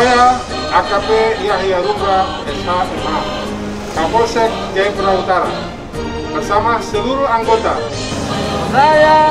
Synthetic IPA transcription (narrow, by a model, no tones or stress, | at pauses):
ja | akapejaɦiaɾumɾa | ɛsaʔɛma | kapɔrsɛk̚d͡ʒaipəɾaut̪aɾa̰ | bərsamasəluɾuaŋɡot̪a | aja